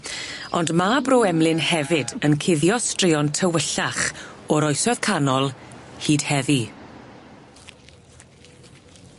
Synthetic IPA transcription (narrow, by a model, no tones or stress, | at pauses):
ɔndmaːbrowɛmlˠɪnhɛvɪdənkʰɪðjɔstrɪɔntʰəwəɬaχɔɾɔjsɔð̥kʰanɔlˠhiːd̥hɛvi